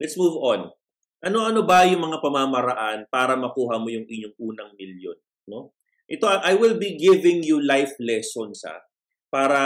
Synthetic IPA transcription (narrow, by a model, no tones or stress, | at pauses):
lɛt̪smuːvon | ʔɐno̞ʔɐno̞bɐjʊŋmɐŋapɐmamɐɾɐʔanpaːɾɐmɐkuːɦɐmo̞jʊŋʔɪɲoŋʔuːnɐŋmɪljo̰n | no̞ | ʔɛt̪o̞ʔajwɪlbiɡɪvɪ̃ŋjulajflɛsonsa̰ | paːɾɐ